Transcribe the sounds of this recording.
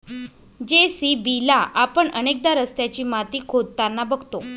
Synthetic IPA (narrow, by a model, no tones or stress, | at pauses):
d͡ʑesibilaʔapəɳənek̚d̪aɾəst̪jat͡ɕiːmat̪iːkʰod̪̚t̪anːabəɡʱt̪o